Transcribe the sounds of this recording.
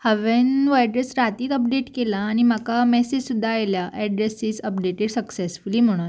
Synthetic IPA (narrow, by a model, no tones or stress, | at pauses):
həʋenʋajɖɾesɾat̪iːt̪əp̚ɖeʈkelaːɽ̃imakamɛsid͡ʑsud̪ʱːaajljaʔɛɖɾesisəpɖeʈeɽsəksesfuliːm̤əɽ̃u